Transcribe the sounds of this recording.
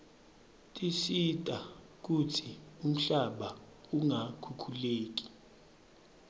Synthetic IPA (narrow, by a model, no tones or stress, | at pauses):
tʼisitʼa | k̬ʼutʰium̩ɬaɓa | uŋakʰukʰuleːk̬ʼi̥